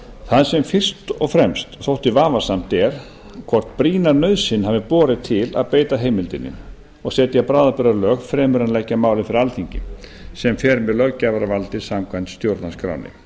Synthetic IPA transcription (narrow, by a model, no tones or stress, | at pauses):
θaðsɛmfɪr̥st̪ɔɣfɾɛmst̪θowht̪ɪvaːvḁsam̥t̪ɛɾ̥ | kʰvɔr̥t̪pɾiːnaɾnœðsɪnɦaːvɪpɔːɾɪt̪ʰɪla̰ðpeːjt̪aɦeːjmɪlt̪ɪnːɪ̰n | ɔɣsɛːt̪ɪapɾaːðapʏɾaɾlœːɣfɾɛːmʏɾanlɛcːamaːwlɪfɪɾɪɾalθiɲcɪ̰ | sɛmfɛːɾmɛðlœɣcːaːvaɾavalt̪ɪsamkʰvant̪st̪jowɾt̪nanskɾa̰wnɪ̰